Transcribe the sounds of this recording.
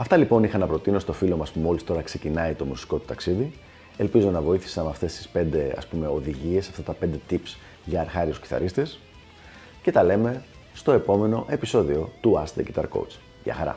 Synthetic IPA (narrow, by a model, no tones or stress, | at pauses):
ɐft̪ɐlipo̞nixɐnɐpɾo̞t̪ino̞st̪o̞filo̞mɐspumo̞list̪o̞ɾɐkse̞cinɐit̪o̞musi̥ko̞t̪u̥t̪ɐksiði | e̞lpizo̞nɐvo̞iθi̥sɐnmɐft̪e̞st̪i̥spe̞nd̪e̞ɐ̰spume̞o̞ðiʝie̞sːɐft̪ɐt̪ɐpe̞nd̪e̞t̪ips | ʝɐːɾxɐɾiusci̥θɐ̰ɾist̪es | ce̞t̪ɐle̞me̞ | st̪oe̞po̞me̞no̞ʔe̞piso̞ðio̞t̪uɐst̪d̪ecit̪ɐ̰ɾko̰ut͡s | ðʝɐ̰xɐ̰ɾɐ̰